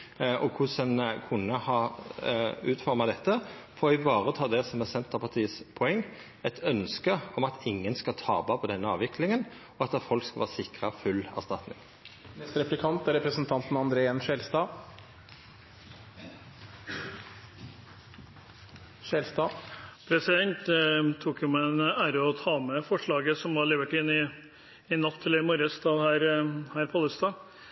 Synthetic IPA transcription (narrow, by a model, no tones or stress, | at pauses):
ʔɔkʰʊsənkʰʊnːəhɑː | ʉːt̪fɔɾmɑd̪ɛt̪ːəfɔːʁɪbɑːʁət̪ʰɑːd̪ɛsɔmɛsɛnt̪əʁpʰɑʁt̪ʰiːəspʰɔɛŋː | ɛt̪ʰœnskəɔmɑt̪ʰɪŋːənskɑlt̪ʰɑ̰ːbɑpʰɔd̪ɛnːəɑːʋɪkʰlɪŋən | ɔɑt̪ɛfɔlkskɑlʋɑːsɪkʁəfʉlːæ̰ʁst̪ɑt̪nɪ̰ŋ | mɛst̪ɾɛplɪkʰɑnt̪æɾɛpɾəsənt̪ʰɑnt̪n̩ɑnd̪ɾeːɛnʃɛlst̪ɑ | ʃɛːlst̪ɑːpʰɾɛsɪd̪ɛnt̪t̪ʰːuːkjʊmænæːɾəɔt̪ʰɑːmɛfɔʂɭɑːɡəsɔmʋɑɭeːʋəʈɪnːɪ | ɪnɑt̪ʰːɪlɪmɔɾəst̪ɑːhæːɾhæːɾpʰɑləst̪ɑː